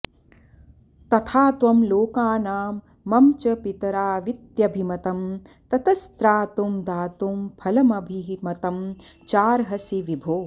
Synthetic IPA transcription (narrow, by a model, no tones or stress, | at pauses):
t̪ɐt̪ʰaːt̪ʋɐmloːkaːnaːmː | ɐmt͡ʃɐpit̪ɐɾaːʋit̪jɐbʱimɐt̪ɐmt̪ɐt̪ɐst̪ɾaːt̪umd̪aːt̪umpʰɐlɐmɐbʱiɦmɐt̪ɐm | t͡ʃaːɾɦɐsiʋibʱoː